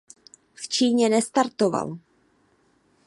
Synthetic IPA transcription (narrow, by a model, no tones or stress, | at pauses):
ft͡ʃiːɲɛnɛst̪aɾt̪ova̰l